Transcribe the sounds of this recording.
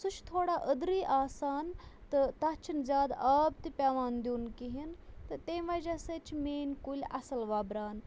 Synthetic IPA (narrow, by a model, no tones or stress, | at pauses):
sut͡ʃʰt̪ʰoːɽaʔəd̪ɾiːʔaːsaːnt̪ɨt̪ɐt͡ʃʰinzʲaːd̪aːb̚t̪ipʲaːʋaːnd̪ʲuːnkiɦint̪ɨt̪eːmʋɐd͡ʒɐsɐt͡ʃʰimeːnʲkulʲɐsɐlʋaːbɾaːn